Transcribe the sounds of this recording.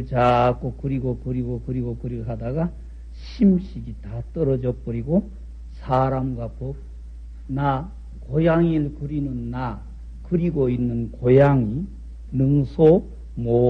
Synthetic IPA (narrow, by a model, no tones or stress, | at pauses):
ɭt͡ɕak͈okɯɾiɡokɯɾiɡokɯɾiɡokɯɾiɦadaɡa | ɕʰimɕʰiɡitat͈ʌɾʌd͡ʑʌp͈ɯɾiɡo | sʰaɾamɡwako | na | kojaŋiɭkɯɾinɯnːa | kɯɾiɡoinːɯnkojaŋi | nɯŋsʰo | mo